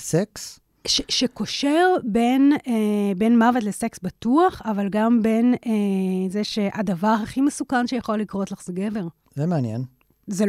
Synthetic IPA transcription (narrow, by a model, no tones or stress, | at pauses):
seks | ʃeʃeko̞ʃeʁbe̞n | be̞nmavet̬lese̞ksbituaχavalɡambe̞nezeʃeʔadavaʁɦaχimesukanʃejaχo̞likʁo̞t̪laχz̥eɡeve̞ʁ | zemeanjḛn | ze